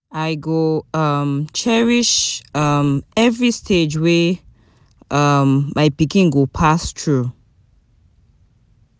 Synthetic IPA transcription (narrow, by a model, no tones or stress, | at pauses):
aɪɡoʌmt͡ʃʰɛɹiʃʌmɛvɹistʰed͡ʒwe | ʔʌmːaɪpikĩnɡopʰastʰɹu